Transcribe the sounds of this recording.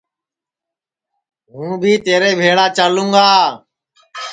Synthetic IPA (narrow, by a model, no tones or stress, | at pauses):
ɦũːbʱiːt̪eːɾeːbʱeːɽaːt͡ʃaːlũːɡaː